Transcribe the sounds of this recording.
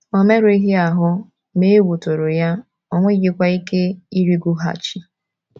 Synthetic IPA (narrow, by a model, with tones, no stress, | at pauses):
o˨me˦ɾʊ˨˦i˦ɦi˦a˨ɦʊ˦ | me˦e˦ɡʷu˨to˨ɾo˨ja˦ | ɔ˦ŋʷe˦ɡɪ˦kʷa˦i˦ke˦i˦ɾi˦ɡʷu˦ɦa̰˨t͡ʃi˨